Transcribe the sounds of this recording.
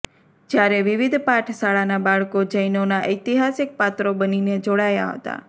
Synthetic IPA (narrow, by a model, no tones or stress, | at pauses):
d͡ʒjaɾeʋiʋid̪ʱpaʈʰsaɭanabaɭkod͡ʒəjnonaʔəjt̪iɦasik̚pat̪ɾobənined͡ʒoɽaja̰ɦə̰t̪a̰